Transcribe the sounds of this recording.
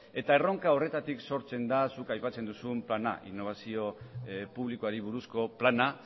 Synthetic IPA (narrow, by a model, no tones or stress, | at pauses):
e̞t̪ae̞ro̞ŋkao̞re̞t̪at̪ikso̞ɾt͡se̞nd̪asukajpat͡se̞nd̪usumplana̰ʔḭnːo̞βasio̞puβlikoaɾiβ̞uɾusko̞plana